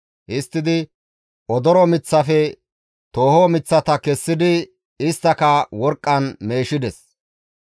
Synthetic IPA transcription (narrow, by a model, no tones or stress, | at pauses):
ʔɪst̪ːɪd̪ɪ | ɔd̪ɔɾɔmɪt͡sːɐfɛ | t̪o̞ːhomɪt͡sːɐt̪ɐkɛsːɪd̪ɪ | ɪst̪ːɐkɐwɔɾkʼːɐnme̞ːʃɪd̪ɛs